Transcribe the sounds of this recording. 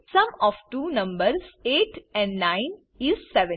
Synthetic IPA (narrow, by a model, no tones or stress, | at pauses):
sʌ̃mɔːʋʈuːnʌ̃mbəɾseːʈɛ̃ɳɖnãɪ̃n | ɪzsɛʋə̃